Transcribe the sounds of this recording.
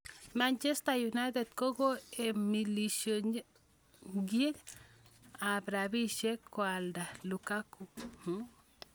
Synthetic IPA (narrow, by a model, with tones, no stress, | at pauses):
ma˨nt͡ʃe˦st̪a˨ju˨na˦d̪e˨t̪ko˦ɡo˦e˨mi˨li˨ʃjo˨ | ɡe˦k | a˨bɾa˨bi˦ʃe˦kːwa˨ld̪a˨lu˨ka˦ku˨h